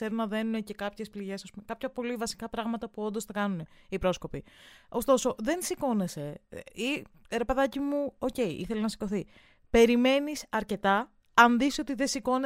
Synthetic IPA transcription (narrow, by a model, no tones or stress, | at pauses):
eɾunɐðe̞nunece̞kɐpçe̞spliʝe̞sosumkɐpçɐpo̞livɐsi̥kɐpɾɐɣmɐt̪ɐpuo̞nd̪ost̪ɐkɐnune̞ipɾo̞sko̞pio̞st̪o̞so̞ðe̞nsiko̞ne̞se̞i | ɾepeðɐcimuo̞ce̞iʔḭθelenɐsi̥ko̞θi | pe̞ɾime̞nisɐɾce̞t̪ɐ | ɐnðiso̞t̪iðe̞siko̞ne